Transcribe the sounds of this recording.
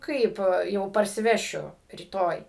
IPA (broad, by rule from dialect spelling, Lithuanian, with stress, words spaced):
ˈkɐɪp jɛʊ pɐrʲsʲɪˈʋʲæːʃʲʊ rʲiːˈtoːj